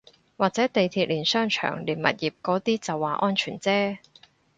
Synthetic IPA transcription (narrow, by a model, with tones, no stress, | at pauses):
waː˨˩k̚t͡sɛː˨˥t̪e˨jt̪ʰiː˧t̚liː˨˩nsœː˥ŋt͡ʃʰœ̰ː˨˩ŋliː˨˩nmɐ̰˨t̚jiː˨p̚kɔː˨˥t̪iː˥t͡sɐ˨wːaː˨˩ʔɔː˥nt͡ʃʰyː˨˩nt͡sɛː˥